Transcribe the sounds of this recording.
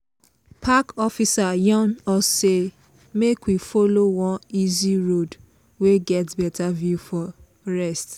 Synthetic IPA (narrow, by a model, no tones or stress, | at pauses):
pʰakɔfisajɔ̃nɔse | mekwifolowɔ̃niziɹod | weɡɛtbɛtʰavjufɔ | ɹɛst